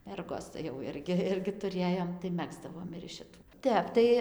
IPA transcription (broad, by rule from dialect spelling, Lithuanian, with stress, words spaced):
ˈmʲɛrɡoːs tɐɪ jɛʊ ˈɪrʲɡʲɪ ˈɪrʲɡʲɪ tʊˈrʲeːjoːm tɐɪ ˈmʲæːɡzdɐʋoːm ɪr ɪʃ ʃʲɪˈtuː ˈtʲɛp tɐɪ